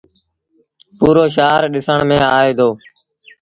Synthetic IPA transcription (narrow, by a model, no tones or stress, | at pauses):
puːɾoːʃ̬aːɾɗɪsəɳmẽːaːeːd̪oː